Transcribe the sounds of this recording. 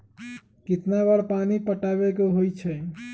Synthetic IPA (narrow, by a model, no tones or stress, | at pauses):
kit̪nabəɾpanipəʈaβekeɦojt͡ʃʰɛ